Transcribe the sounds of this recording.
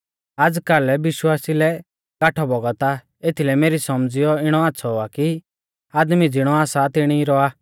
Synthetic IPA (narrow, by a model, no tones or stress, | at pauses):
aːd͡zkalɛbɪʃwaːsilɛ | ɡaːʈʰɔbɔɡɔt̪a | eːt̪ʰilɛmeːɾisɔmd͡zɪjɔɪɽ̃ɔaːtːsʰɔaki | aːd̪mid͡zɪɽ̃ɔaːsat̪ɪɽ̃iɾɔaː